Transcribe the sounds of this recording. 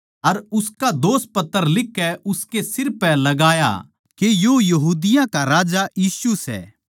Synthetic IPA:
ɐɾʊskad̪oːs̚pɐt̪ːəɾlɪkːɛʔʊskesɪɾpɛ̃lɐɡaːja̰ | kejojɐɦuːd̪ɪjãkaɾaːd͡ʒajiːsusɛ̰ː

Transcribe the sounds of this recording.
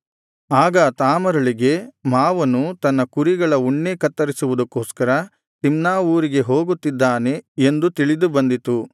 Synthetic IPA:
aːɡɐt̪aːmɐɾɐɭiɡe̞maːʋɐnːut̪ɐnːɐkuɾiɡɐɭɐuɳːekɐt̪ːɐɾisuʋud̪ɐkːoːskɐɾɐ | t̪imnaːuːɾiɡe̞ɦo̞ːɡut̪ːid̪ːaːne̞end̪ut̪iɭid̪ubɐnd̪it̪u

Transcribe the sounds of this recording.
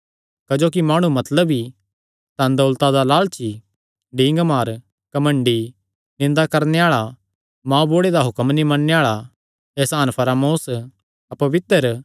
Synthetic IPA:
kɐd͡ʒoːk̬imaːɽ̃ũmɐt̪ləbi | t̪ãnd̪ɐʊlt̪ad̪alaːlt͡ʃʰi | ɖĩːŋɡmaːɾ | kɐmɐ̃ɳɖi | nɪ̃nd̪akɐɾneaːɭa | mãːboːɽed̪aɦʊkəmnimɐnːeaːɭa | ɛːsaːnpʰɐɾaːmoːs | ɐpɐʋɪt̪əɾ

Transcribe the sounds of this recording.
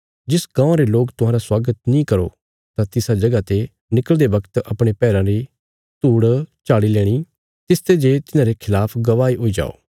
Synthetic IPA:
d͡ʒɪskãːãɾeloːkt̪ʊɦãːɾaswaːɡət̪nĩkɐɾo̰ | t̪ãt̪ɪsad͡ʒɐɡat̪e | nɪkəld̪eʋɐkt̪ɐpɽ̃epɛːɾãɾi | t̪uːɽt͡ʃaːɽilɛːɽ̃i | t̪ɪst̪ed͡ʒet̪ɪnãːɾekʰɪlaːpʰɡɐʋaːiɦoːid͡ʒa̰ːo̰ː

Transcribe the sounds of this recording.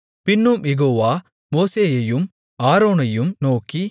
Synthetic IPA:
pɪnːɯmjɛɣoːʋaː | moːseːjɐjɯm | aːɾoːnɐjɯmnoːki

